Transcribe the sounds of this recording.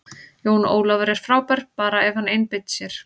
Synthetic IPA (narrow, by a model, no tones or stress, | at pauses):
joːwno̰ːwlavaɾɛɾ̥fɾaːwpaɾ̥ppaːɾaɛv̥hanejnpɪjt̪ːsjɛɾ̥